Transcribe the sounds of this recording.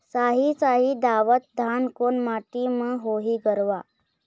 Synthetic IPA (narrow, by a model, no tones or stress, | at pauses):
saɦit͡saɦiːd̪aʋət̪̚d̪ʱankonmaʈiməɦoɦiːɡəɾʋa